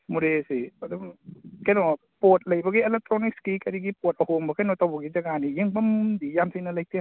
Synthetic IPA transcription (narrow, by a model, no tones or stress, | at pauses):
mudesiadukajnɔ | pot̪̚lajbaɡiʔelɛk̚t̪ɾonik̚skikadiɡipot̚ʔahombakʰajnɔt̪awbaɡid͡ʒaɡanijiŋbamdijamsinalajk̚t̪e